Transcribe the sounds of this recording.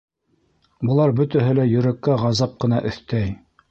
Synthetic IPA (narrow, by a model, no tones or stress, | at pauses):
bɤ̆lˠɑɾbɵ̆t̪æɦɘlæjɵ̆ɾækːæʁɑzɑp̚qɤ̆nɑʔɵ̆θt̪æj